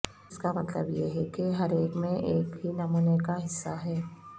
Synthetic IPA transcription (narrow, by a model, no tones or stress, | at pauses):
skamɐt̪ləbjeɦɛkeɦɐɾeːkmẽʔeːkɦinɐmuːnekaɦɪsːaɦɛː